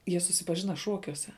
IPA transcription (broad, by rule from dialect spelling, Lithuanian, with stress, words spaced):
ˈjiɛ sʊsʲɪpɐˈʒʲɪnɐ ˈʃuɔkʲuɔsʲɛ